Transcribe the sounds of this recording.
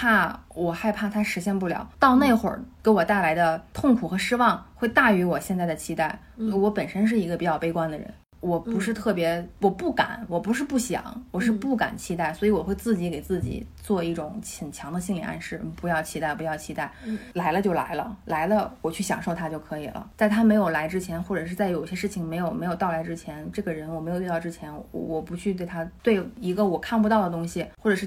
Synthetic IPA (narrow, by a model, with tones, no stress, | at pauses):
pʰa˥˩wɔ˨˩xa˥˧ɪpʰa˥˩t̪ʰa˥ʂɻ̩˧˥ɕjɛ˥˧npu˥˩ljɑ̰˨˩˦ʊt̪ɑ˥˧ʊne˥˩ɪxwə̰˞˨˩ke˧˥wɔ˨˩t̪a˥˩ɪla˧˥ɪd̪ə˧t̪ʰʊ˥˩ŋkʰu˨˩xɤ˧˥ʂɻ̩˥wɑ˥˩ŋxwe˥˧ɪt̪a˥˩y˧˥wɔ˨˩ɕjɛ˥˧nt͡sa˥˩ɪd̪ə˩t͡ɕʰi˥t̪a˥˩ɪ˧ | wɔ˧˥pə˨˩nʂə˥nʂ̬ɻ̩˥˩i˧˥ɡə˧pi˨˧˥t͡ɕjɑ˥˩ʊpe˥ɪkwa˥nd̪ə˨ɻə̰˧˥n | wɔ˨˩pu˧˥ʂɻ̩˥˧t̪ʰɤ˥˩pjɛ˧˥wɔ˨˩pu˥˩ka̰˨˩˦nwɔ˨˩pu˧˥ʂɻ̩˥˧pu˥˩ɕjɑ̰˨˩˦ŋwɔ˨˩ʂɻ̩˥˧pu˥˩ka̰˨˩nt͡ɕʰi˥t̪̬a˥˩ɪswɔ˧˥i˧˥wɔ˨˩xwe˥˧ɪt͡sɹ̩˥˩t͡ɕi˧˥ke˨˩ɪt͡sɹ̩˥˩t͡ɕḭ˨˩˦t͡swɔ˥˧i˥˩ʈ͡ʂʊ˨˩˦ŋə˨˩nt͡ɕʰjɑ˧˥ŋd̪ə˧ɕi˥˩nlḭ˨˩ʔa̰˥˧nʂɻ̩˥˩pu˧˥jɑ˥˩ʊt͡ɕʰi˥a˥˩ɪpu˧˥jɑ˥˩ʊt͡ɕʰi˧˥t̪a˥˩ɪla˧˥ɪlə˧t͡ɕjo˥˩ʊla̰˧˥ɪlə̰˧la˧˥ɪlə˧wɔ˨˩t͡ɕʰy˥˩ɕjɑ̰˨˩ŋʂo˥˩ʊt̪ʰa˥t͡ɕjo˥˩ʊkʰɤ˧˥i˨˩lə̰˦t͡sa˥˩ɪt̪ʰa˥me˧˥ɪjo˨˩ʊla˧˥ɪʈ͡ʂɻ̩˥t͡ɕʰjɛ˧˥nxwɔ˥˩ʈ͡ʂɤ˨˩ʂɻ̩˥˧t͡sa˥˩ɪjo˨˩ʊi˥˩ɕjɛ˥ʂɻ̩˥˩t͡ɕʰi˩ŋme˧˥ɪjo˨˩ʊme˧˥ɪjʊ˥˩ʊla˧˥ɪʈ͡ʂɻ̩˥t͡ɕʰjɛ˧˥nʈ͡ʂɤ˥˩ɡə˩ɻə˧˥nwɔ˨˩me˧˥ɪjji˥˧t̪ɑ˥˧ʊʈ͡ʂɻ̩˥t͡ɕʰjɛ˧˥n˧wɔ˨˩pu˧˥t͡ɕʰy˥˧t̪we˥˩ɪt̪ʰa˥t̪we˥˩ɪi˧˥ɡə˧wɔ˨˩kʰa˥˩np̬t̪ɑ˥˩ʊd̪ə˩t̪ʊ˥ŋɕi˨˩xwɔ˥˩ʈ͡ʂɤ˨˩ʂɻ̩˥˩